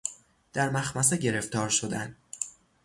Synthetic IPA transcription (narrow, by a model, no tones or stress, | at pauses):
d̪̥æɾmæxmæseɟe̞ɾe̞ft̪ʰɒːɾʃo̞d̪æn